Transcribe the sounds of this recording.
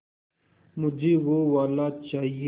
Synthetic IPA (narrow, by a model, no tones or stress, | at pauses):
mʊd͡ʑʱeːwoːwaːlaːt͡ʃaːɦie